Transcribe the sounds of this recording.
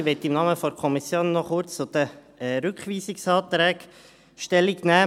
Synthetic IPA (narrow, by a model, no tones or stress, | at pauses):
ʋɛt̪ːɪmnɑːməfɔɾkʰɔmisjoːnːɔχʊɾt͡st͡sʊd̥̪ə | ɾʏkχʋiːsɪksɑːt̪ɾɛːɡ | ʃtɛlːiɡnæː